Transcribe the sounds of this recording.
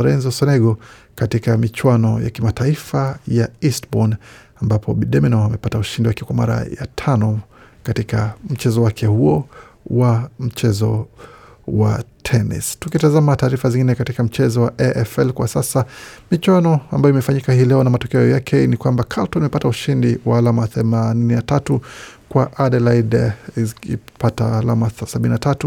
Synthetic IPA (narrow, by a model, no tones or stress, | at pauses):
ɾɛnzɔsɔnɛɠɔ | katikamit͡ʃwanɔja̰kimataifajaistbɔn | ambapʰɔ̰ɓiɗɛmɛnɔamɛpatauʃindiwakɛkwama̰ɾa̰ja̰tʰanɔ | katikam̩t͡ʃɛzɔwakʰɛhuɔwam̩t͡ʃɛzɔ̰ | wa̰tʰɛnḭstukitazamataːɾifaziŋɡinɛkatikam̩t͡ʃɛzɔwaʔɛʔɛfɛlkwasasamit͡ʃwanɔa̰mbajɔimɛfaɲikahiːlɛɔnamatɔkɛɔjakʰɛnikwambakʰaltɔnimɛpatauʃindiwaːlamaθɛmanininatatukwaʔaɗɛlaid | ipataːlamasabininatatu